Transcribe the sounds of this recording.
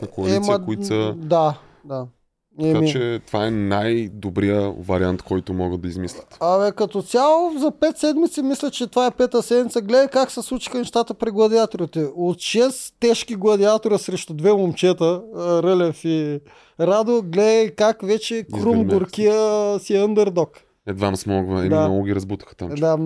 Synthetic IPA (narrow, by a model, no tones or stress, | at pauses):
nkoɐlimɐkoitsəd̪a | d̪a | ɛkamiɛt̪ovaɛnajd̪obɾijəvɐ̰ɾʲia̰nt̪kɔjt̪ʊmɔɡəd̪ɐizmislʲət̪ɐɛkɐt̪ot̪sʲjalˠozɐpɛt̪sɛd̪mit̪sɛmislʲɛt͡ʃɛt̪ovaɛpɛt̪əsɛd̪mʲit̪səɡlɛd̪əkaksɛslˠut͡ʃi̥xənɛʃt̪at̪əpɾiɡlˠɐd̪iat̪oɾit̪ɛot̪ʃɛst̪ɛʃkiɡlˠɐd̪iat̪oɾəsɾɛʃt̪ʊd̪vɛmomt͡ʃɛt̪əɾəlʲɛfi | ɾad̪oɡlɛd̪ɐjkakvɛt͡ʃɛkɾumɡoɾkʲiəsiənd̪ɛɾd̪ɔk | ɛd̪vamsmɔɡvɐḭmd̪anɔɡʊɡʲiɾɐzbut̪ə̥xə̥t̪a̰md̪a